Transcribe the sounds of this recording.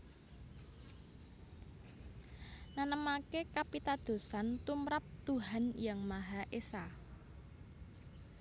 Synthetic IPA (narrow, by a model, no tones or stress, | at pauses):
nanəmakekapit̪ad̪̥o̤sant̪umɾap̚t̪uɦanjaŋmaɦaʔesa